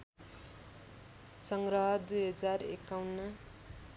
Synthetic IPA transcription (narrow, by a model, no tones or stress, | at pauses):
sʌŋɡrʌɦʌd̪ujɦʌd͡zarekːawnːʌ